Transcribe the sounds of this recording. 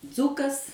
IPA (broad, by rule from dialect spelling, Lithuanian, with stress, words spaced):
ˈd͡zʊkɐs